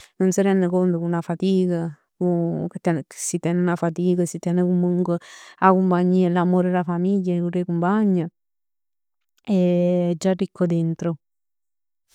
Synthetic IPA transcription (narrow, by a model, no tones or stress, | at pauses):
nonsiɾɛnd̪ekont̪okunafat̪ika | kuket̪ːɛnsit̪ɛnunafat̪̬iːkasit̪ːɛnekumuŋkweakumpaɲːiːalamoɾelafamiʎːakurekumpaɲːa | ɛd͡ʒarikːod̪ent̪ɾo